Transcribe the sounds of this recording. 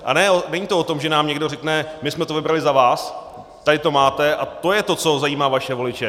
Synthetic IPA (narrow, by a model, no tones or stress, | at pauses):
ʔa̰nɛonɛɲiːt̪oʔot̪o̞mʒɛnaːmɲɛɡdo̞rɛknɛmɪsmɛt̪ovɪbɾalɪzavaːs | t̪adɪt̪o̞maːt̪ɛʔat̪o̞jɛt̪o̞t͡so̞zajiːmaːvaʃɛvo̞lɪt͡ʃɛ